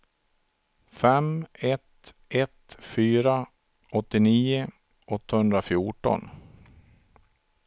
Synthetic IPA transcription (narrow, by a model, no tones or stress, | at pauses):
fɛmɛt̪ | ʔɛt̪fyːɾa | ɔt̪ːɪniːʊ | ʔɔt̪ːahɵnd̪ɾafjuːʈɔ̰n